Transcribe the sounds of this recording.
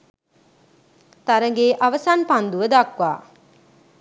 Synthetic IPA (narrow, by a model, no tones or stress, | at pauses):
t̪aɾəŋɡeːʔaʋəsanpand̪uʋəd̪akʋa̰ː